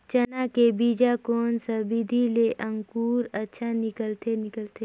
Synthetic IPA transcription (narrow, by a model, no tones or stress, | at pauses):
t͡ʃɐnakebiːd͡ʒakoːnsabid̪ʱileʔə̃ŋkuːɾətːʃʰanɪkəlt̪enɪkəlt̪e